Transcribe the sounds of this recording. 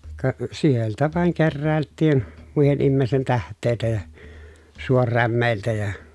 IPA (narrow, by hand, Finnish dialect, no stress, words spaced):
kɑ sieltæ ʋɑˑeŋ kerːæˑeltːiːn muihen imːeːsten tæhtˑeˑi̯tæ jɑ suorːæmːeˑiltæ jɑ